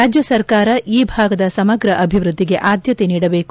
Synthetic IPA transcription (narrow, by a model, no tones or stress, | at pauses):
aːd͡ʒjɐsɐɾkaːɾɐʔiːbʱaːɡɐd̪ɐsɐmɐɡɾɐʔɐbʱiʋɾud̪ʱːiɡe̞ʔaːd̪ʱjɐt̪e̞niːɽɐbeːk